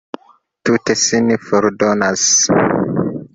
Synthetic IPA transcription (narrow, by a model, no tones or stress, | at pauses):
tut̪esinifɔɾdonas